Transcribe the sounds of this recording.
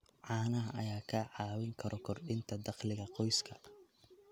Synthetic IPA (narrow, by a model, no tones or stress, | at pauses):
ʕɑːnɐɦɐʔɐjaːkʰɐʕɑːwɪŋkʰɐɾɔkʰɔrɖɪnt̪ʰɐd̪ɑqlɪɣɐqɔjskʰɐ